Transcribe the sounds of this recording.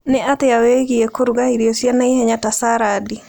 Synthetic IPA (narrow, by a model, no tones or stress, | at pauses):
nɪat̪eaweɣiekoɾuɡahiɾjosjanaihɛɲatasaɾadi